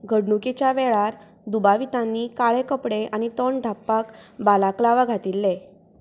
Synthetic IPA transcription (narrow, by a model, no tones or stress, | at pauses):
ɡʱəɽɳuket͡ɕjaʋɛɭaɾ | d̪ubaʋit̪ãnːiːkaɭekəpɽeʔañit̪ɔɳɖʱapːakbalaklaʋaɡʱat̪ilːe